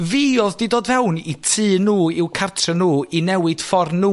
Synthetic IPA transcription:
viːɔðdidoːdvɛwnitʰɨːnuːɪwkʰartʰrənuːinɛwɨd̥fɔrnːuː

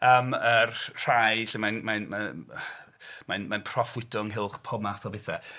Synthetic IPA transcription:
əːmərr̥ajɬɛmajnmanma | manmajnpʰrɔfwɪdʊŋɦɪlˠχpʰɔmaθɔbɪθɛ

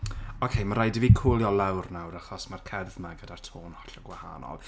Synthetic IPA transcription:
ɔkʰejmaɾajdɪvikʰuːlˠjɔlˠawrnawɾaχɔsmarkʰɛrðmaɡədartʰoːnhɔɬɔɡwaha̰nɔ̰lˠ

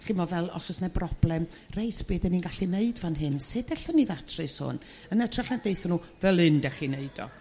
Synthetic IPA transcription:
ɬɪmɔvɛlˠɔ̰sɔsnɛbrɔb̥lˠɛm | rejtʰb̥eːdɛninɡaɬineɨdvanɦɨnsɨdɛɬɔnːiðatʰrɨshʊ̰n | ənɛtʰraɬnad̥eɨθɔnuː | vɛlˠɨndɛχineɨd̥ɔ̰

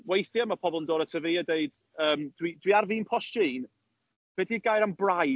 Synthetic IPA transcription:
wejθjəməpʰɔbɔlˠmdɔːɾətʰəviːədeɨd̥ | əːmd̥widwiarviːnpʰɔʃiːn | vɛdiɡajɾambra

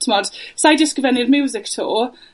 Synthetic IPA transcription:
tʰmɔd̥sajdɪskəvɛnɪdmjuːzɪktʰo̰ː

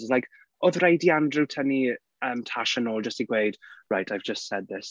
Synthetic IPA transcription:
zlajk | ɔðrejdiandrɨwtʰəni | əːmtʰaʃənɔːlˠd͡ʒəstiɡwejd̥ɹajtʰajvd͡ʒəstsɛd̪̚ðɪs

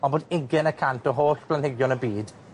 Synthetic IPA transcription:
ɔnboːdɪɡɛnəkʰantɔɦoːɬpʰlanhɪɡjɔnəbiːd

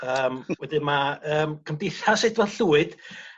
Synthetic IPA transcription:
əːmwɛdɪnmaəːmkʰəmdejθasɛdvɔdɬuːɨd̥

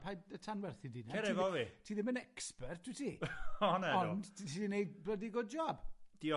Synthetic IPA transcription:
pʰajdətʰanwɛrθidinɛɾɛvɔvitʰiːðɪmənɛkspɛrt̚ʰd̥witʰiɔnɛɔntʰiðɪnejblədiɡodd͡ʒɔːbd̥iɔ

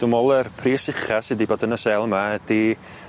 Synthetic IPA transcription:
d̥ʊmɔlˠɛrpʰriːsɪχasɨdiboːdənəsɛlˠmaəd̥i

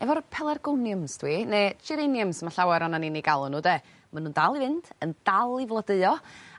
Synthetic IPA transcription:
ɛvɔɾpʰɛlˠɛrɡɔnjəmstʰwinet͡ʃʰiɾenjəmsmaɬawɛɾɔnaniniɡalˠʊnuːde | manuːndalˠivɨnd̥ənd̥alˠivlˠədəɨɔ

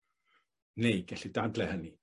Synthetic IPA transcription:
neɨɡɛɬidadlɛhəni

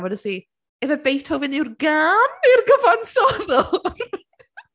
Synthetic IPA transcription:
wɛdəsiː | ɛvəbejtʰowvɪnɪwrɡanirɡəvansɔðɔ

